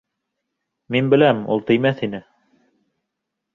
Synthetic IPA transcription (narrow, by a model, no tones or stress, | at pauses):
minbɘ̆læmṵlˠt̪ɘ̆jmæθinɘ